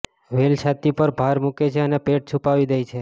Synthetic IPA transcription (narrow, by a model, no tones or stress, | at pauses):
ʋelt͡ʃʰat̪ipəɾbʱaɾmuket͡ʃʰeənepeʈ̚t͡ʃʰupaʋid̪ejt͡ʃʰe